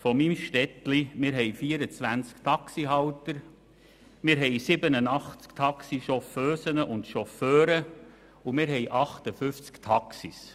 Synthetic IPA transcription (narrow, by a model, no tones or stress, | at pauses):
fɔmimʃtɛtlimɪɾɦɛɪfiːəɾət͡sʋænt͡sktʰɑksiɦɑwtəɾ | mɪːɾɦɛɪsɪbənənɑχt͡sktʰɑksiʃɔføːsɪnəʔʊntʃɔføːɾə | umɪːɾɦɛjʔɑχtəfʏft͡sktʰɑksis